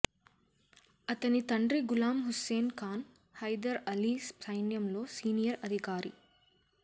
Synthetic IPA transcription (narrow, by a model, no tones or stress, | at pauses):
ɐt̪ɐnit̪ɐɳɖɾiɡulaːmɦuseːnkaːn | hɐjd̪ɐɾɐliːssɐjnjɐmlo̞ːsiːnijɐɾɐd̪ʱikaːɾḭ